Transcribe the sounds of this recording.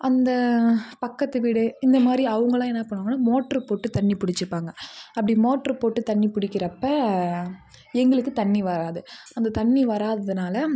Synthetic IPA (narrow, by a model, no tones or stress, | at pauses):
ʔɐnd̪ɐpɐkːɐt̪ːɯʋiːɽɯɪnd̪ɐmaːd̪ɾiɐʋɐŋɡɐɭãːɛnːɐpɐɳːʋaːŋɡɐnːaːmoːʈːɐɾpoːʈːɯt̪ɐɳːipʊɽɪt͡ʃːɯpːaːŋɡɐɐpːɐɽimoːʈːɐɾpoːʈːɯt̪ɐɳːipʊɽɪkːɪɾɐpːɐ | ɛŋɡɐɭɯkːɯt̪ɐɳːiʋɐɾaːðɯɐnd̪ɐt̪ɐɳːiʋɐɾaːðɐðɯnaːlɐ